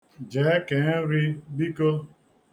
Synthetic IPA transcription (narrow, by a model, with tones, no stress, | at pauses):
d͡ʒe˨˦ke˨˦n˦ɾi˦bi˦ko˦